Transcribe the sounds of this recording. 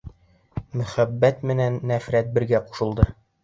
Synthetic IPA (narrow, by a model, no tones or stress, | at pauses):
mɵ̆χæbːæt̪mɘ̆nænːæfɾæt̪̚bɘ̆ɾɡæqu̥ʃɤ̆lˠd̪ɤ